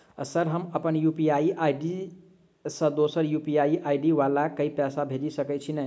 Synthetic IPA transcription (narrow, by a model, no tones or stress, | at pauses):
ə̰səɾɦəməpənjupiajiʔajɖi | sə̃d̪osəɾjupiajiʔajɖiʋalakəipasabʱelisəkət͡ʃʰinə